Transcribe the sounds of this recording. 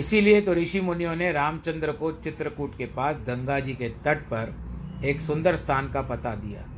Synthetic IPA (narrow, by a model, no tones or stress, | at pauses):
ɪsiliet̪oɾiːʃimʊnijõneɾaːmt͡ʃə̃nd̪ɾəkot͡ʃɪt̪ɾəkuːʈkepaːsɡɐ̃ŋɡaːd͡ʒiket̪ɐʈ̚pɐɾeːksʊ̃nd̪əɾst̪ʰaːnkapɐt̪ad̪ija̰ː